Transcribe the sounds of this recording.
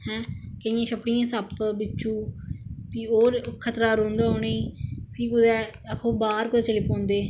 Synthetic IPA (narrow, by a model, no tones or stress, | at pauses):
hɛ̃ːkəɪ̃ãːʃəpɽɪjãːsəpbɪt͡ʃːũːpioːɾkʰət̪ɾaːɾõːnd̪aːoːneiːpʰiːkʊd̪ɛːəkʰõːbaːɾkʊd̪ɛːt͡ʃəliːpɔ̃ːnd̪eː